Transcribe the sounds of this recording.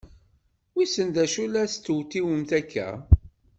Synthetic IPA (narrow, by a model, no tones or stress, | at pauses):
wisənd̪æʃulæst̪ːwt̪iwəmθækːæ̰